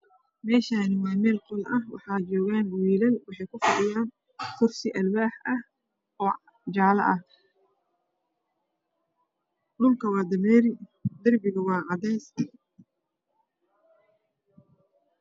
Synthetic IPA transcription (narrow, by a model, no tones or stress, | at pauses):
mɛːʃaːnɪwɑːmɛːlqɔlʔɐhwɑ̰ħɑːt͡ʃɔːɣaːnwiːlɐlwɑħɑjkʰʊfɐɖɪjaːn | kʰʊrsɪʔɐlwaːħʔɐh | ɔː | d͡ʒɑʕlɐ̰ʔɐh | ɖʊlkʰɐwɑːd̪ɐmɛːɾɪd̪ɐrbɪɣʊwɑːʕɑd̪ɛːsɐ